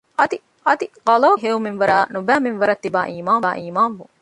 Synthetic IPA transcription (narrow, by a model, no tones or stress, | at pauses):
ɐt̪i | ɐt̪iɡɐlɐːɦeuminʋɐɾaːnubæːminʋɐɾɐt̪ːiba̰ːʔiːmaːnːʔiːmaːnʋu